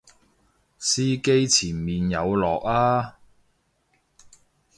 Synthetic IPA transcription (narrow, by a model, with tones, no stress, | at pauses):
siː˥ke˥jt͡sʰiː˨˩nmiː˨njɐ˨˧wlɔː˨˩k̚aː˥